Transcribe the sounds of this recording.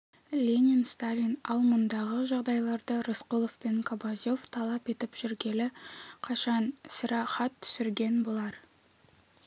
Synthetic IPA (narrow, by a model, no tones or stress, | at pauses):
lʲenʲinst̪alʲinɑlˠmʊnd̪ɑʁəʒɑʁd̪ɑjlˠɑɾd̪əɾosqulˠofpe̞ŋkʰobazʲjo̞ft̪ʰɑlˠɑpe̞t̪ɪpʒ̥ʏɾɡʲe̞lɪqʰɑʃɑnsʲəɾɑχɑt̪ʰːʏ̥sɪɾɡʲe̞nbo̞lˠɑɾ